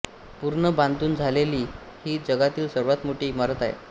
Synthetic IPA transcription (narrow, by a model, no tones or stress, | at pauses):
puɾɳəbãnd̪uːnd͡zʱaleliː | hiːd͡ʑəɡat̪iːlsəɾʋat̪moʈiːmaɾət̪a̰ḛ